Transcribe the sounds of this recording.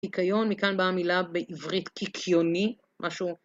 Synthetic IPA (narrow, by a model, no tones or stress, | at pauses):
ikʰajo̞nmikanbamilabeʔivʁitkikʰjoni | mʔaʃu